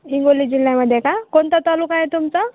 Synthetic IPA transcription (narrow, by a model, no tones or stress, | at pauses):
ɦiŋɡolid͡ʑilːjaməd̪ʱːjekakoɳt̪at̪alukajet̪umt͡sa